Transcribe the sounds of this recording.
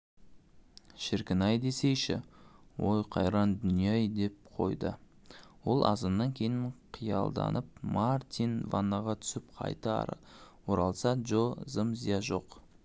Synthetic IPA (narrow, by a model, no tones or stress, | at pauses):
ʃɪɾkʲɪnɑjd̪e̞se̞jʃɪ̰wo̞jqʰɑ̰jɾɑnd̪ʏnijɑjd̪e̞p̚qʰo̞̰jd̪ə | wo̞lˠɑ̰zənːɑŋkʲʰe̞jɪnqʰijɑ̰lˠd̪ɑ̰nʔəp̚maɾt̪invɑ̰nːɑʁɑt̪ʰʏ̥sɪpqʰɑ̰jt̪ɑ̰ɾ̰wo̞ɾɑlˠsɑʒozəmzʲijɑʒo̞q